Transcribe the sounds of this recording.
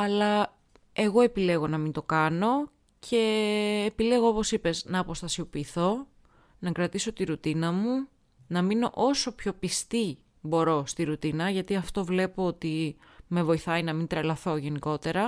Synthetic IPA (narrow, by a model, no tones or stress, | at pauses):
ɐlɐ | e̞ɣo̞e̞pile̞ɣo̞nɐmint̪o̞kɐno̞ | cʰe̞ːpile̞ɣo̞opo̞sipe̞znɐːpo̞st̪ɐsio̞piːθo̞ | nɐkɾɐt̪iso̞t̪iɾut̪inɐmu | nɐmino̞ʔo̞so̞pço̞pist̪i | bo̞ɾo̞st̪iɾut̪inɐʝɐt̪iɐft̪o̞vle̞poot̪i | me̞vo̞iθɐinɐmint̪ɾɐlɐθo̞ʝe̞niko̞t̪e̞ɾɐ